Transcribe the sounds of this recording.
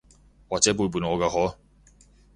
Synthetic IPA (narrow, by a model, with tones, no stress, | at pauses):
waː˨t͡sɛː˨˥p̬uː˧p̬uː˨˩nŋɔː˨˧kaː˧hɔː˨˥